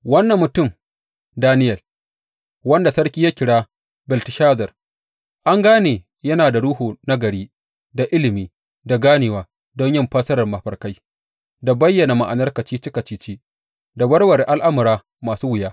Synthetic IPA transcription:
wɐ˦nːɐ˨mːʊ˨tʊ˦˨m | daː˦nɪ˦jɐ˨l | wɐ˦nda˨sɐ˦ɽkʲiː˦ja˦kʲɪ˨ɽaː˦ | bɪ˨ltɪ˨ʃaː˦zɐ˨r | ʔa˦ŋɡaː˦neː˨ | jɐ˦naː˨da˨ɽu˦hoː˨na˦ɡɐ˨ɽiː˦ | da˨ʔɪ˦lɪ˨miː˦ | da˨ɡaː˦nɪː˨waː˨ | dɔ˦ɲjɔ˦˨mɸaː˦sɐ˦ɾɐ˨rmɐ˨ɸɐ˨rka˦j | da˨bɐ˦jːɐ˨na˨ma˨ʔa˨nɐ˦rkɐ˨t͡ʃiː˦t͡ʃɪ˦kɐ˨t͡ʃiː˦t͡ʃiː˦ | da˨bɐ˦ɽwɐ˨ɾe˨ʔa˦lʔa˦mʊ˨ɾaː˦ | maː˨suː˦wɪ˨jaː˦

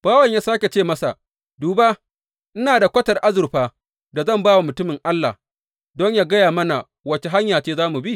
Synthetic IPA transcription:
b̥aː˦wɐ˨ɲjaː˦saː˦kʲe˨t͡ʃeː˦˨mɐ˦sa˨ | duː˨baː˦ | ʔɪ˦naː˨da˨kʷɐ˦tɐ˨rʔa˦zʊ˨rɸaː˦ | da˨zɐ˦˨mbaː˦wa˨mʊ˨tʊ˦mɪ˨ŋʔa˦lːa̰˨ | dɔ˦ɲjaː˦ɡɐ˦jaː˨mɐ˦na˨ | wɐ˦t͡ʃe˨ɦa˦ɲjaː˨t͡ʃeː˦zaː˦mu˨bi˦

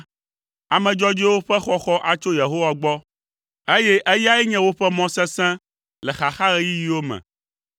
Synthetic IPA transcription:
a˨mɛ̃˨d͡ʒɔ˦d͡ʒi˦wo˦ɸɛ˦xɔ˦xɔ˦ʔa˨t͡ʃo˦je˨ɦo˦wa˨ɡ͡bɔ˦ | e˦je˦ʔe˦ja˦jɛ˦ɲɛ̃˦wo˦ɸɛ˦mɔ̃˦sɛ̃˦sɛ̃˦ | lɛ˨xa˨xa˦ɾe˦ji˦ji˦wo˦mɛ̰̃˨

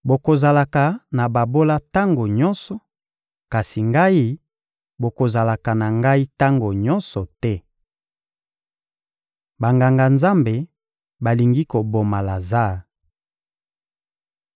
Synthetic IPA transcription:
bo˨ko˨za˨la˨ka˨na˨ba˨bo˦la˦ta˦ŋɡo˨ɲɔ˦nsɔ˨ | ka˨si˨ŋɡa˦i˦ | bo˨ko˨za˨la˨ka˨na˨ŋɡa˦i˦ta˦ŋɡo˨ɲɔ˦nsɔ˨tɛ˦ | ba˨ŋɡa˨ŋɡa˨nza˦mbe˨ | ba˨li˨ŋɡi˦ko˨bo˨ma˨la˨za˦˨

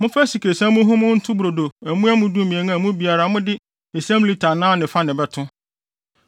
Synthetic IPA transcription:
mʊ̃˦fa˦si˨kʰe˨sã˦mʊ̃˦ɦʊ̃˦mʊ̃˦n̩˦tʰʊ̃˦bɾo˨do˨æ˨mũ˦a˦mʊ̃˦du˦˨mĩ˨ɛ̃˨ŋã˦˨mʊ̃˦bi˨a˨ɾa˨mʊ̃˦dɪ˦ | e˨sæ̃˦m˦li˦tʰa˨nãː˦nɪ̃˨fa˦nɪ̃˨bɛ˨tʰʊ̃˦

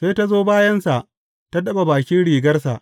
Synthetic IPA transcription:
ɸe˦ta˦zoː˦baː˦jɐ˦nsa˨ʔ | ta˦dɐ˦ba˨baː˨kʲɪ˦nɽiː˨ɡɐ˦rs̬a̰˨ʔ

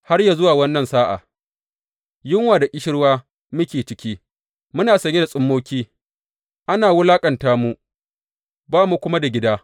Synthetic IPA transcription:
ha˦rja˨zʊ˦waː˨wɐ˦nːɐ˨nsaː˦ʔa̰ː˨ | jɪ˦ŋwaː˨da˨kʲʼɪ˦ʃɪ˦ɽwaː˦ | mʊ˦kʲeː˨t͡ʃɪ˦kʲiː˦ | mʊ˦naː˨sɐ˨ɲʲe˦da˨sʼʊ˦mːoː˦kʲiː˦ | ʔa˦naː˨wʊ˦laː˦kʼɐ˨ntaː˦mu˦ | baː˦mu˦kʷʊ˦ma˦da˨ɡʲɪ˦daː˦

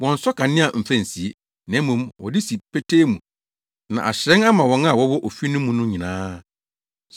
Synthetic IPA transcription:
wɔ̃˨n̩˨sɔ˦kʰa˨nɪ̃˦ã˨m̩˨fæ̃˦n̩˨si˨e˦ | nɛ̃˨˦mũ˦mwɔ̰˨dɪ˦si˨pʰe˦tʰeː˦mũ˨ | nã̰˨ʔa̰˨ɕɾɛ̃˦na˦mã˨wɔ̃˨˦n˦a˨wɔ˦wɔ˦ʔo˨fi˦nʊ̃˦mũ˨nʊ̃˦ɲĩ˨nãː˦

